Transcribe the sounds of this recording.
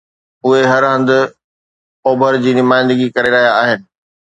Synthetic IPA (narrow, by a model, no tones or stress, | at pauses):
ʊɦeɦɐɾɦə̃nd̪ɪ̆ | oːbʱəɾd͡ʑiːnʊmaːɪ̃nd̪əɡikɐɾeɾɐɦijaːɦɪnɪ̆